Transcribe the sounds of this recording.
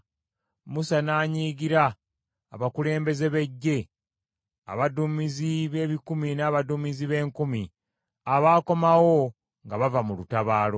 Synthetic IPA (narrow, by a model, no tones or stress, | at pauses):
musanaːɲiːɡiɾaː | βakule̞ːmbe̞ze̞βe̞ɟːe̞ | a̰βadumiziβe̞ːβikuminaːβadumiziβe̞ːŋkumi | aβaːko̞mawo̞ | ŋɡaβavamulutaβaːlo̞